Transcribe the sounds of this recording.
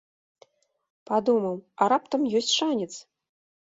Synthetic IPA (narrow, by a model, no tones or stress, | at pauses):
pad̪umɐwɐɾapt̪ɐmjɔsʲt͡sʲʂanʲɛt̪s